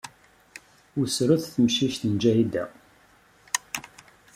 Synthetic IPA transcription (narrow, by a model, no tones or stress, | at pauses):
usɾʊθθəmʃiʃt̪ənd͡ʒæjid̪æ̰